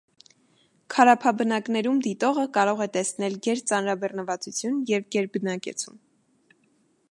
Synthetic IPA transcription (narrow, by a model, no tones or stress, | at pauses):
kʰɑɾɑpʰɑbənɑknɛɾumd̪it̪ɔʁəkɑɾɔʁɛt̪ɛsnɛlɡɛɾt͡sɑnɾɑbɛrnəvɑt͡sut͡sʰjunjɛvɡɛɾbənɑkɛ̰t͡sʰun